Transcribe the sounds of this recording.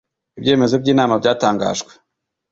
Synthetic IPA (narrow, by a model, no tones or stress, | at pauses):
ibje̞ːme̞zobɟiːnaːmabɟaːtaːŋɡa̰ːʒɡwe̥